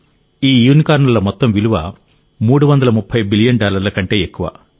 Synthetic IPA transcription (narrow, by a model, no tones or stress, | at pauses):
iːjuːnikaːɾnɐlɐmɔt̪ːɐmʋiluʋɐ̰ | muːɽuʋɐnd̪ɐlɐmupʰːɐjbilijɐnɖaːlɐɾlɐkɐɳʈe̞ːekːuʋɐ̰